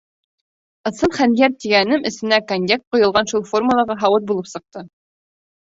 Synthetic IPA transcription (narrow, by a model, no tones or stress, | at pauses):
ɤ̆sɤnχænjæɾt̪iɡænɘmʔɘ̆sɘ̆nækonʲd̪ʲek̚t̪̚qŏjɤ̆lˠʁɑnʃulˠfo̞rmulˠɑʁɑɦɑwɤt̪̚bulˠɤpsɤ̆q̚t̪ɤ